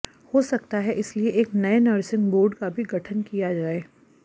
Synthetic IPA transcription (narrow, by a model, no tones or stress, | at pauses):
hosɐk̚t̪aɦɛʔɪslieʔeːknɐenɐɾsɪ̃ŋɡboːɾɖkabʱiɡʱɐʈʰənkijad͡ʒaːeː